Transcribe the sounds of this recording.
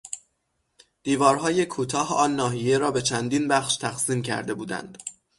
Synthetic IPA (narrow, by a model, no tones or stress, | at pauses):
d̪̥iːvɒːɾɦɒːje̞kʰuːt̪ʰɒːhɒːnːɒːɦije̞ɾɒːbe̞t͡ʃʰænd̪iːnbæχʃt̪ʰæxsiːmcʰæ̰ɾd̪e̞buːd̪æ̰nd̪̥